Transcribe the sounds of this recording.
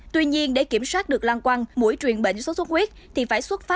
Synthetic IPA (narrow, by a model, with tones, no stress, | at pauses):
t̪wi˧ɲi˧ənɗe˧˩ki˧˩əmswaː˦˥t̚ɗɨ˨˩ək̚lwaː˧nkwa˧nmṵ˧˥əjt͡ɕwi˨˩ənɓḛ˧˨ŋ̟so˨˦sə˦˥t̚hwi˦˥t̚t̪ʰi˨˩faː˧˩jswə˦˥t̚faː˦˥